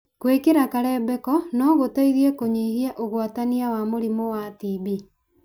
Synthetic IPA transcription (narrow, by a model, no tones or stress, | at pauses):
kwekeɾakaɾɛbɛkɔnɔɣotaiðiɛkoɲehiaʔoɣwataniawamoɾimowatiβi